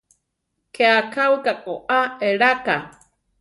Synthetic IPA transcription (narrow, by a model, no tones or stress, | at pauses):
kʰeakʰawɨkakʼoʔaeɾaka